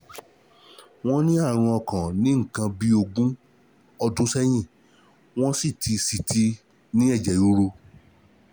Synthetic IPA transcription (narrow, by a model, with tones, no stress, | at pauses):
w̃ɔ̃˦nĩ˦a˦˨ɾ̃ũ˧ɔ˧kã˨nĩ˨˦ŋ̩˦˨kã˧bi˦o˧ɡũ˦ | ɔ˧dũ˨˦sɛ˦j̃ĩ˦˨ | w̃ɔ̃˦si˦˨tʰi˧si˨tʰi˧ | nĩ˦ɛ˦˨d͡ʒɛ˨ju˨˦ɾo˧